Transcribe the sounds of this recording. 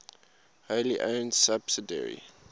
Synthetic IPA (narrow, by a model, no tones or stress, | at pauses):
holiʔõʊnsabsidɛ̰ɹḭ